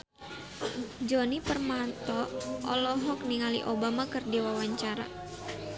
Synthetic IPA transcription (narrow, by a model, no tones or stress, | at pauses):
d͡ʒɔnipərmat̪ɔʔɔ̰lɔɦɔkniŋalḭʔobamakɨrdiwawaɲt͡ʃaɾa̰